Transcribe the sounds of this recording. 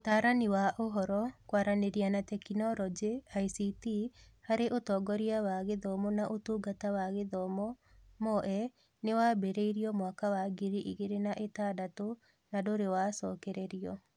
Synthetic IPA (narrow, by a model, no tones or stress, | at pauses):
otaːɾaniwaʔoɦɔɾɔkwaɾaneɾianatɛkinɔɾɔd͡ʒeaisitihaɾeʔotɔːɡɔɾiawaɣeðɔmɔnaʔotuːɡatawaɣeðɔmɔ | mɔʔɛ | newaːbeɾeiɾiɔmwakawaɡiɾiʔiɣeɾenaʔetaːdato | nadoɾewaːsɔːkɛɾɛɾiɔ